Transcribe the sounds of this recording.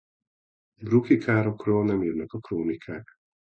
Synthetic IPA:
brukikʰaːɾo̞kroːlnɛmiːrnɛkɒkroːnikʰaːk

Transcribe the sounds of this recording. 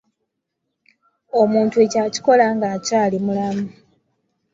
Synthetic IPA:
o̞muːntue̞caːci̥ko̞laŋɡaːcaːlimulamu

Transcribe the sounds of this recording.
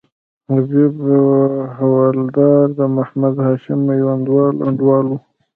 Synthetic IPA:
hazɪb | hawɑld̪ɑɾd̪əmahmad̪hɑʃɪmajwand̪wɑla̰ɳɖwɑlwu

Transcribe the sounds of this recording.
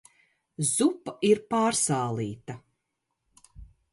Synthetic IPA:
zupːaiɾpaːɾsaːlˠiːt̪ɐ

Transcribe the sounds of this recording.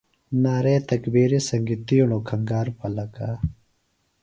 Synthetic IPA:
naːɾeːt̪ɐkbeːɾesɐŋɡit̪iunoːkʰɐŋɡaːɾpɐlɐkaː

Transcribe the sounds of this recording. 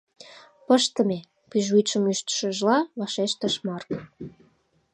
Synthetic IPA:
pəʃt̪əme | pyʒujt͡ʃəmyʃt̪ə̥ʃə̆ʒlɑβɑʃeʃt̪əʃmɑrk

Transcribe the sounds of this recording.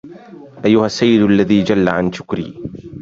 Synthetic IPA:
ʔajːʊhasːajːɪd̪ʔalːaðiːd͡ʒalːaʕanʃʊ̥kɾḭː

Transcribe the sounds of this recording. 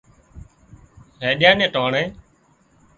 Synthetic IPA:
ɦeːɗjãːnẽːʈoːɳẽː

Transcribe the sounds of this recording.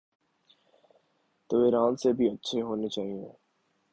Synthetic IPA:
t̪oːiːɾaːnsebʱiɐtːʃʰeɦoːnet͡ʃaːɦĩẽː

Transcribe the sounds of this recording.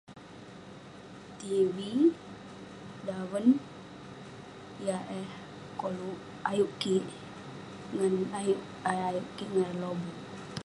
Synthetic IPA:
t̪iwi | dawən | jaʔɛh | kolu | ajuʔkiʔ | ŋənauʔ | ajuʔkiʔŋalobu

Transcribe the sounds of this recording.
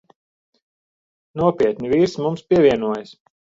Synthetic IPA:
nuɔpʲiɛt̪nʲiviːɾsmumspʲiɛvʲiɛnuɔjas

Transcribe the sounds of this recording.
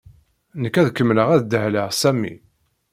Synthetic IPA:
nəkːæðkːəmːləʁæðd̪əhləʁsæmːḭ

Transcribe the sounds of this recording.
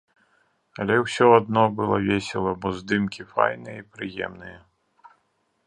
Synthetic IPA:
ɐlʲɛwsʲɔad̪nɔbɨlˠɔvʲesʲɛlˠɐbɔzd̪ɨmkʲifa̰jnɨjɛipɾɨjɛ̰mnɨjɛ

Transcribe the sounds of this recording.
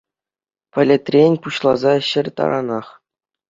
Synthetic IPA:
pʲɘ̆lʲɘ̆t̪ʲrʲenʲpuɕlˠɑzɑɕɘ̆rʲt̪ɑ̰ɾɑ̰nɑχ

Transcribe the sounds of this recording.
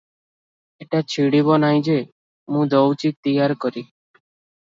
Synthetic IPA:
eʈat͡ʃʰiɽibɔnaj̃d͡ʒe | mũd̪ɔwt͡ʃik̚t̪ijaɾkɔɾi

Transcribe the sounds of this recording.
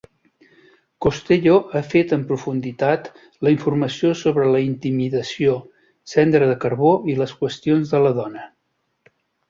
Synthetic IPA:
kost̪eʎoʔafet̪əmpɾufund̪it̪at̪ | ləiɱfurməsiosoβɾələint̪imiðəsio | sɛnd̪ɾəðəkəɾβoiləskwəst̪ionzðələðɔnə

